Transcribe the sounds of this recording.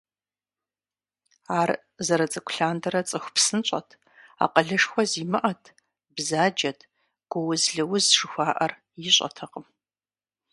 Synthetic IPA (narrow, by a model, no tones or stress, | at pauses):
aːr | zɐɾɐt͡sʼɐkʷʰɬaːndɐɾɐt͡sʼɨxʷpsɨnɕʼɐ̰tʰ | a̰ːqəɮɨʂxʷɔziːmɨʔɐtʰ | bzaːd͡ʒɐtʰ | ɡ̥ʷɔwʊzɮɨwʊzʂɨxʷaːʔɐr | jɪɕʼɐ̰tʰɐqəm